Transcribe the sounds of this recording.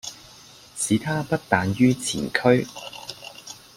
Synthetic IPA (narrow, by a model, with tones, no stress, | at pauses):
sʰiː˨˥t̪ʰaː˥pɐ˥t̚t̪aː˨˧njyː˥t͡sʰḭː˨˩nkʰɵ˥ɥ